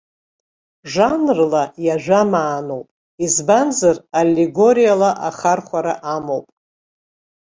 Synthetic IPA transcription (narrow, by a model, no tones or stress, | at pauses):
ʐanrlajaʒᶣʷamaːnowpʼ | izbanzaralʲːiɡo̞ɾijalaʔaχarχʷaɾa̰ʔamowpʼ